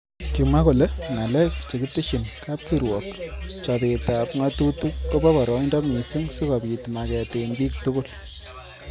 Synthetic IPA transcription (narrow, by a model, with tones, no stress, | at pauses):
ki˨ma˦ko˨le˦ŋa˨lɛ˦kt͡ʃe˨ki˦ti˦ʃi˨nkaː˦p̚ki˦ɾwɔ˨kt͡ʃa˨peta˨pŋa˦tutuː˦o˦pɔ˦pɔ˨ɾɔ˦ndɔ˦mi˨si˦ŋsu˦ka˨pi˨tma˨kɛtenbiː˦ktu˦kʊ˦l